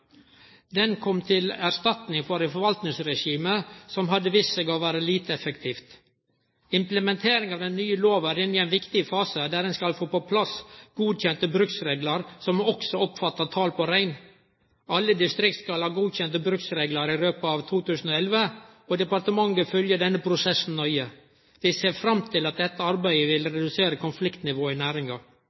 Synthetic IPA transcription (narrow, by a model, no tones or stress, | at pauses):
d̪ɛnkʰɔmt̪ʰɪlæɾst̪ɑt̪nɪŋfɔɾɛfɔɾʋɑlt̪nɪŋsɾɛʂiːməsɔmɦɑd̪ːəʋɪsəɡɑʋæːɾəliːt̪əɛfəkt̪ʰiːft̪ | ɪmpləmɛnt̪ʰeːɾɪŋɑʋd̪ɛnːyːəloːʋæɾɪnːɪɛɪnʋɪkt̪ɪəfɑːsəd̪æɾɛnskɑlfoːpɔpʰlɑsɡ̥uːd̪çɛnt̪əbɾʉksɾeːɡləɾsɔmɔksɔɔpfɑt̪ːɑt̪ʰɑːlpɔɾæɪn | ɑlːəd̪ɪst̪ɾɪk̚t̪skɑlhɑːɡuːd̪çɛnt̪əbɾʉksɾeːɡlɑɾɪɾøːpəɑʋt̪ʰuːt̪ʉːsən̩ɔɛlʋəɔd̪ɛpɑɾt̪əmɑŋːəfœljəɖɛnːəpʰɾʊsɛsn̩nœʏə | d̪̥ɛseːɾfɾɑmt̪ʰɪlɑt̪̚d̪ɛt̪ːəɑɾbæɪəʋɪlɾɛd̪ʉseːɾəkʰʊnflɪkt̪nɪʋoːɪnæːɾɪŋɑ